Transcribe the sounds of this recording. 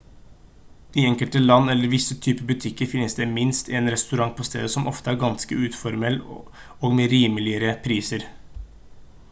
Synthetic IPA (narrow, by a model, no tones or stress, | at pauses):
d̪̥iːɛŋkəlt̪əlɑnːɛlːəɾʋɪsːət̪ʰyːpəbʉt̪ʰɪkːəɾfɪnːəsd̪ɛmɪnst̪ɪeːnɾɛst̪ʉɾɑŋpʰɔst̪ʰḛːd̪əsɔmʔɔft̪əæːɾɡɑnskəʉːt̪fɔɾmɛlː | oːɡmeːɾiːməlɪəɾəpʰɾiːsəɾ